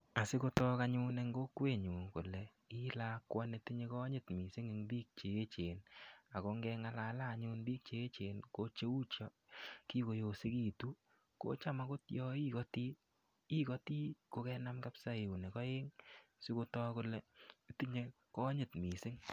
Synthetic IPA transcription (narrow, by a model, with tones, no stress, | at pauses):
a˨sɪ˦ko˦tɔ˦ka˦ɲʊ˦ne˧˦ŋɡo˦kwe˦˨ɲu˨ŋkʊ˨lɛ˨ | ɪ˦la˦kwa˦ne˨˦ti˦ɲe˦kɔ˦ɲɪ˦˨tmi˨sɪ˦ŋe˨ŋbiː˦k̚t͡ʃe˨e˦t͡ʃe˨na˨ko˦ŋɡɛ˧ŋa˦la˨laː˦˨ɲʊ˦nbiː˦k̚t͡ʃe˨e˦t͡ʃe˨nko˦t͡ʃe˦u˦t͡ʃɔ˦ | ki˦ko˨jo˨si˦ki˦tu˦ | ko̰˦t͡ʃa˦ma˦kʊ˦tjɔ˦i˦kɔ˦ti˦ | i˦kɔ˦ti˦ko˨˦kɛ˦na˦mka˦psa˦e˨u˨ne˨kɔ˦je˦ŋsɪ˦ko˦˧tɔ˦kʊ˨lɛ˨e˦ti˦ɲe˦ | kɔ˦ɲɪ˨tmi˨sɪ˦ŋ